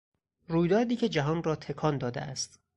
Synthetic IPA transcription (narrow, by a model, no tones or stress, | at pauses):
ruːjd̪ɒːɾd̪iːcʰe̞d͡ʒæɦɒːnrɒːt̪ʰe̞kʰɒːnd̪ɒːd̪ḛʔæst̪